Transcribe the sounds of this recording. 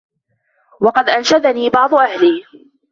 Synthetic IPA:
wɑqɑd̪ʔanʃad̪aniːbɑʕd̪ˤʊʔahliː

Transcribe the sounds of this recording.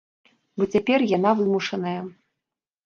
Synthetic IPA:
bɔt͡sʲapʲɛrjanavɨmuʂɐnɐjɐ

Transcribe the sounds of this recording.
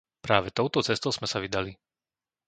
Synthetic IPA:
pɾaːʋɛt̪ɔʊt̪ɔt͡sɛst̪ɔʊz̥mɛsaʋid̪ali

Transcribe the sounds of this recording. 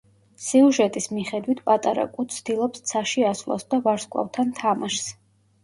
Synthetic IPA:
siuʒɛt̪ʼismiχɛd̪wit̪ʰpʼat̪ʼaɾa̰kʼut̪sʰt̪ilˠɔpst̪sʰaʃiaslˠa̰sd̪avaɾskʼa̰vt̪ʰant̪ʰamaʃs

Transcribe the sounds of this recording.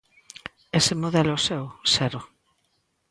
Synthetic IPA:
esemoðɛlosewsɛɾʊ

